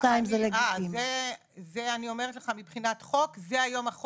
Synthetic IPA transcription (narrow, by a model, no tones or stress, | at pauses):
kaimzeleɡaime | zeanio̞meʁetleχamipχinat̪χo̞kzeajo̞maχ